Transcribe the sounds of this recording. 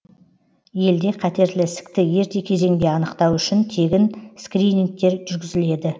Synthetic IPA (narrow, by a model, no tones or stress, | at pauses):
je̞ld̪e̞qʰɑt̪e̞ɾlɪsɪ̥kt̪ɪje̞ɾt̪e̞kʲʰe̞ze̞ŋd̪e̞ɑnəqt̪ɑwʏʃɪnt̪ʰe̞ɡʲɪnskɾijniŋk̚t̪e̞ɾʒʏɾɡʲɪzɪle̞d̪ɪ